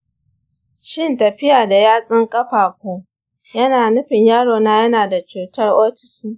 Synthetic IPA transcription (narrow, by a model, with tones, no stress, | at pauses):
ʃɪ˦ntɐ˨ɸɪ˦jaː˨da˨jaː˦sʼɪ˦ŋkʼɐ˦ɸaː˨kʷoː˦ | jɐ˦naː˨nʊ˦ɸɪ˨ɲjaː˦ɽoː˨naː˦jɐ˦naː˨da˨t͡ʃuː˨tɐ˦rʔoː˦tɪ̥˨siː˦